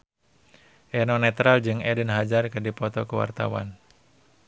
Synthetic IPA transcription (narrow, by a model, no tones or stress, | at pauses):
ʔɛnɔnɛt̪ɾald͡ʒɨŋɛdənɦad͡ʒarkɨdipɔt̪ɔkəwa̰rt̪a̰wa̰n